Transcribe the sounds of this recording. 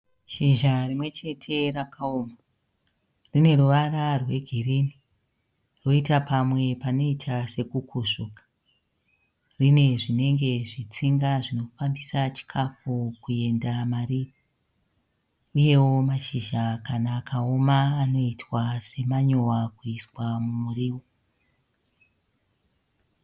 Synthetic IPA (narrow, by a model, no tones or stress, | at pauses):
ʃiʒarimwe̞t͡ʃe̞tʰe̞rakaoma | rine̞ruʋararwe̞ɡʱirini | ro̞itapamwe̞pano̞itʰase̞kukʰuʂukḁ | rine̞ʐine̞ŋɡe̞ʐit͡siŋɡaʐino̞fambisat͡ʃi̥kʰafukue̞ndamariːo | uje̞wo̞maʃiʒakanaːkʰao̞maːno̞itwase̞maɲowakuiswamumuriːwo